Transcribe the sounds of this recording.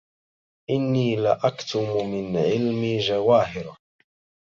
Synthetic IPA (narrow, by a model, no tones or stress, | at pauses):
ʔɪnːiːlaʔakt̪ʊmmɪnʕɪlmid͡ʒawaːɦɪɾa